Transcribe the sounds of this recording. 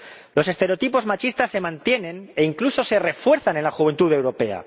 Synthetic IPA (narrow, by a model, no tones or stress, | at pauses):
lo̞se̞st̪e̞ɾeot̪ipo̞zmat͡ʃist̪asːe̞mãnt̪je̞nẽ̞ne̞iŋkluso̞se̞re̞fwe̞ɾθanenlaxuβe̞nt̪uðe̞wɾo̞pe̞a̰